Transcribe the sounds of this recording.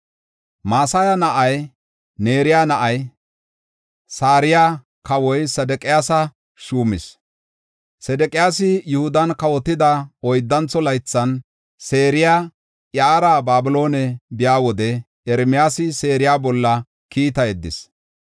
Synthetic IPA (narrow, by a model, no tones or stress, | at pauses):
maːsaːjɐnɐʔɐj | ne̞ːɾɪjaːnɐʔɐj | saːɾɪjaː | kɐwɔjsɐd̪ɛkʼɪjaːsɐ | ʃuːmɪs | sɛd̪ɛkʼɪjaːsɪjʊhʊd̪ɐnkɐwɔt̪ːɪd̪ɐɔjd̪ːɐnt͡sɔlɐjt͡sːɐn | se̞ːɾɪjaː | ʔjaːɾaːbaːbɪlo̞ːnɛbɪjaːwɔd̪ɛ | ɛɾmɪjaːsɪse̞ːɾɪjaːbɔlːɐ | kiːt̪ɐjɛd̪ːɪ̰s